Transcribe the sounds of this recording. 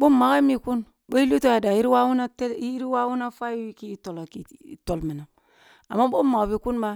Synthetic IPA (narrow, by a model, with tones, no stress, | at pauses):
bo˦ma˨ka˦i˦mi˦ku˦n | bo˦i˦li˦to˦ja˨da˨ji˦ɾi˦wa˦wu˦na˦te˦i˦ɾi˦wa˦wu˦na˦fa˦i˦i˦ki˦to˨lo˨ki˨to˨lmi˨na˨m | a̰˨mːa˦bo˦ma˨kbi˨ku˦nba˦